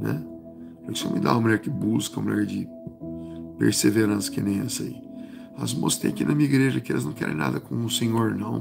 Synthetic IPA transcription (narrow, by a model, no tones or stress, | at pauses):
nɛ̰ | pɾkɪ̥sɔ̃mɪ̰̃d̪ã̰ɐmɐlɛɾkɪbuskɐɐ̃mɐ̃lɛɾd͡ʒɪ | pḛɾseveɾɐ̃sɐ̥kɪ̃nẽj̃ɛsɐḭ | azmo̰sst̪ẽj̃akinɐmĩiɡɾeʒɐkɪɛlɪznɐ̃w̃kɛɾḛ̃j̃na̰d̪ɐkõsẽɲoɾnɐ̃w̃